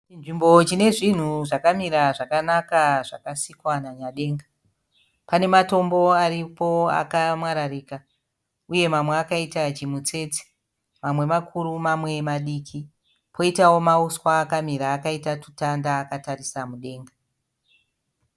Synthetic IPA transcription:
t͡ʃinʐimbo̞t͡ʃine̞ʐin̤uʐakamiɾaʐakanakaʐakasikwanaɲaɗe̞ːŋɡa | pane̞mato̞mbo̞aripo̞a̰kamwaɾariːka | uje̞mamweakaitat͡ʃimut͡se̞t͡si̥ | mamwe̞makʰuɾumamwe̞maɗiːkʰi | pʰo̞itawo̞mauswaːkamiɾaːkaitatu̥tandaːkatarisamuɗe̞ːŋɡa

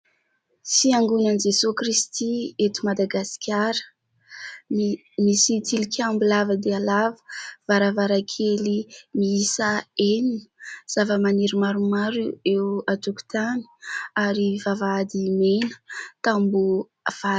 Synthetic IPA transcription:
siaŋɡunənid͡ʒesukrist̪iet̪umad̪aɡasi̥kʰʲaɾə̥ | misit̪ilikʲʰambulavəd̪ealavə̥vaɾavaɾakʰelimiisaeninəz̥avəmaniɾimaɾumaɾuewat̪uku̥t̪ani̥aɾivavaad̪imenə̥t̪ambu | v̥a

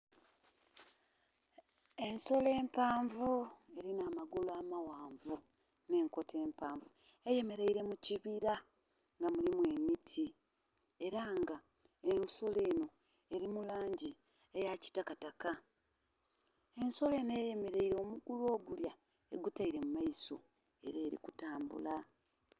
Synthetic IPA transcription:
e̞nso̞le̞ːmpaːɱvue̞ɾinaːmaɡulaːmawaːɱvu | ne̞ːŋko̞tʰe̞ːmpaːɱvu | e̞je̞me̞ɾeiɾe̞muciβiɾa | ŋɡamulimwe̞mitʰi | e̞ɾaŋɡa | enso̞leːno̞ | e̞ɾimulaːɲɟi | ejaci̥takataka | e̞nso̞le̞ːnoeje̞me̞ɾeiɾoːmuɡulo̞ːɡulja | eɡutaiɾe̞mumaiso̞̰ | e̞̰ɾeːɾḭkutaːmbṵla

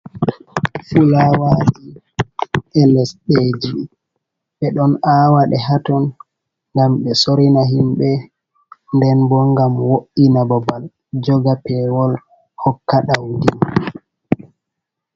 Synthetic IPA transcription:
fulawaːɗi | ʔɛlɛsɗed͡ʒi | ɓɛɗɔnaːwaɗɛɦatɔn | ŋɡamɓɛsoɾinaɦimɓɛ | ndɛnbɔŋɡamwoʔinabɔbal | d͡ʒɔɡapɛwɔl | hɔkːaɗawdin

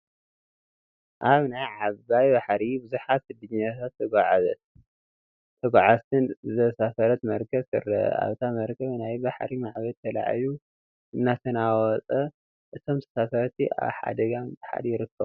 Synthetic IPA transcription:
ʔaβnajʕaβajbaħɾibɨzuħat̪ːɨd̪ɨɲːat̪ʰat̪ʰːɐɡʷaʕazɐ̰t̪̚ | t̪ʰːɐɡʷaʕazt̪ʰɨnt̪ʰɐsasɐɾɐt̪mɐɾkʰɐβkɨ̰ɾɐ̰a̰βt̪ʰamɐɾkʰɐβnajbaħɾimaʕβɐt̪ʰɐla̰ʕ̰ju | ʔɨmnat̪ʰɐnawɔt͡sʼɐ | ʔɨt̪ʰo̞mt̪ʰɐsasɐɾɐt̪ʰia̰βħa̰d̪ɐɡanbɨħa̰d̪jɪɾɨkʰːɐβ

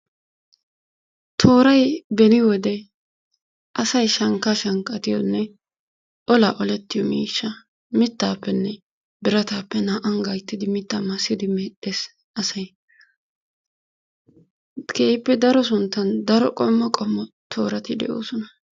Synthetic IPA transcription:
t̪ʰoːɾɐjbɛnɪwɔd̪ɛ | ʔɐsɐjʃɐŋkːaʃɐŋkʼːɐt̪ɪjɔnːɛ | ʔɔlaːʔɔlɛt̪ːɪjɔmiːʃːɐ | mɪt̪ːaːpːɛnːɛ | bɪɾɐt̪aːpːɛnaːʔɐŋɡɐjt̪ːɪd̪ɪmɪt̪ːamɐsːɪd̪ɪmɛᶑeːs | ɐsɐj | kʰeːɪpːɛd̪ɐɾɔs̬ʊnt̪ːɐnd̪ɐɾɔkʼɔmːɔkʼɔmːɔ | t̪ʰo̞ːɾɐt̪ɪd̪ɛ̰ʔo̞̰ːsɔnɐ

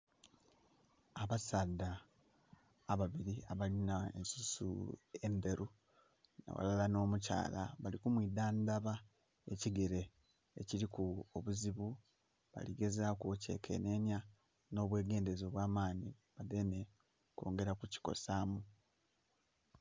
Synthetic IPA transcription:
aβasaːda | βaβiɾiaβalinae̞̰nsusṵe̞mbe̞ɾu | nḛwa̰lalano̞ːmuca̰ːla̰βalikumwidaːndaβa | e̞ciɡe̞ɾe̞ː | cilikuoβuziβu | βa̰liɡe̞zakuce̞kʰe̞̰ne̞ːnja | no̞ːβwe̞ːɡe̞ːnde̞zo̞ːβwaːmaːniβade̞ne̞ | ko̰ːŋɡe̞ɾakuci̥ko̞̰saːmu

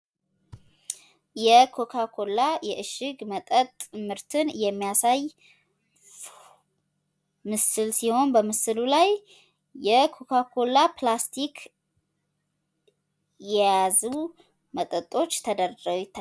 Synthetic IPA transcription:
jɛkʰo̞kʰakʰo̞lajɛʔɨʃɨɡmət̪ʼət̪ʼːmɨɾt̪ʰɨnjɛmːijasaj | mɨsɨlsiho̞nbəmɨsɨlulajː | ɛkʰo̞kʰakʰolaplast̪ʰik | jɛjazu | mət̪ʼət̪ʼːo̞t͡ʃːt̪ʰəd̪əɾəɡut̪ʰa

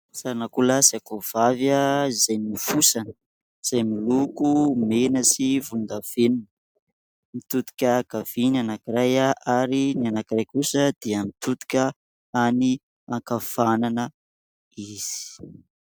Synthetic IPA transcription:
saɾanakulasakov̥avaizajnifusanə̥ | iz̥ajmilukumenəsivund̪av̥enunə | mit̪ud̪i̥kʲəɡ̥av̥inanakiɾajaʔaɾinianakirajkusəd̪̥eəmit̪ut̪u̥kʲə | ani | aŋkafananə | iz̥i̥i̥

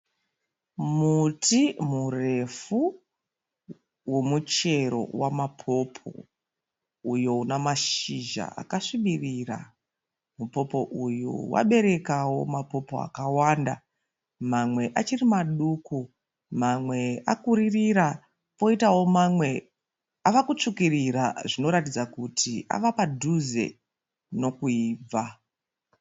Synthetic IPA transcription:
mutimure̞fu | wo̞mut͡ʃe̞ɾo̞̰wamapʰo̞pʰo̞̰ | ujo̞unamaʃiʒa̰a̰kaʂiɓiriːra̰ | mupo̞po̞ʔujṵwa̰ɓe̞ɾe̞kawo̞̰mapo̞po̞a̰kawanda̰ | mamwe̞ʔat͡ʃirimaɗuku | mamwe̞akuɾiriɾa | po̞itawo̞mamwe̞ | aʋakut͡ʂukiriɾaʐino̞ɾatid͡zakutʰiʔa̰ʋapadʱuze̞̰ | no̞kuiːb͡va

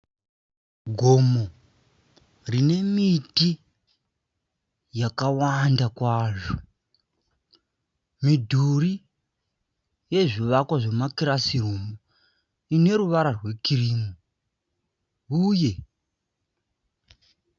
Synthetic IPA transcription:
ɡʱo̞mo | rine̞miti | jakawandakwaːʐo | midʱuri | je̞ʐiʋakwaʐe̞makiɾasirumo | ine̞ɾuʋaɾarwe̞kiriːmu | uːje̞

